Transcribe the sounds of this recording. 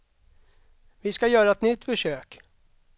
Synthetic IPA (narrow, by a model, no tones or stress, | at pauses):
vɪskajœːɾaɛt̪nʏt̪ːfœʂøːk